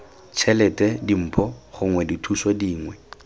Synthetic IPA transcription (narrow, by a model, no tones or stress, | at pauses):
t͡ʃʰɛlɛtʼɛdim̩ːpʰɔχʊŋwɛditʰusɔdiːŋwɛ